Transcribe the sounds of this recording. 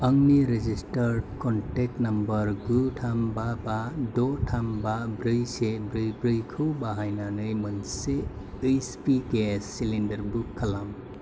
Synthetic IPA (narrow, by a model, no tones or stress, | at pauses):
ɐŋniɾed͡ʒistɐɾɖkɔntek̚nɐmbɐɾɡutʰambabadɔtʰambabɾɯjsebɾɯjbɾɯjkʰɯwbaɦajnanɯjmɯnse | ɯjspikesilindɐɾbukʰːɐlam